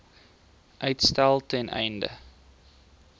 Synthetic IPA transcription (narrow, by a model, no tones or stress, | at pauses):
ʔœɥtstælˠtɛnʔɛ̰jndə̰